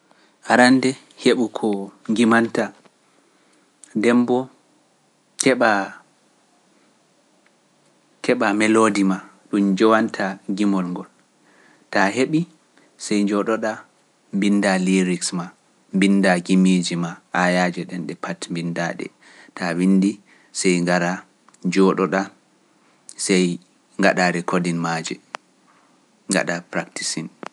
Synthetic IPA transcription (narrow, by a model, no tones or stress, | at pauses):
haɾandɛ | heɓukʰɔŋɡimanta | dɛmbɔ | kɛɓa | kɛɓamɛlodima | ɗumd͡ʒɔwantʰaɡimɔlŋɡɔl | taɦeɓi | sɛjɲd͡ʒɔɗɔɗa | mbindaliɾiksma | mbindaɡimid͡ʒimaʔajad͡ʒɛɗɛnɗɛpʰatmbindaɗɛ̰ | tawindi | sɛjŋɡaɾa | d͡ʒɔɗɔɗa | sɛj | ŋɡaɗaɾɛkodinmad͡ʒɛ | ŋɡa̰ɗapɾaktisin